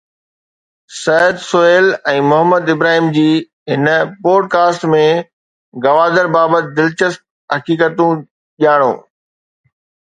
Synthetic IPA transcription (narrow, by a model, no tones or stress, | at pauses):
sɐəd̪sʊeːlɛ̃ːmʊɦəmːəd̪ɪbɾaːɦiːmd͡ʑiː | ɦɪnəpoːɖ̚kaːsʈmẽ | ɡɐʋaːd̪əɾbaːbət̪̚ɪd̪ɪlt͡ɕəst̪̚ | ɦɐkiːkət̪ũ | ʄijaːɽ̃o̰ː